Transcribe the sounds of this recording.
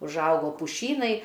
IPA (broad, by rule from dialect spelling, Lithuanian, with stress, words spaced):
ʊʒˈɐʊɡoː pʊˈʃʲiːnɐɪ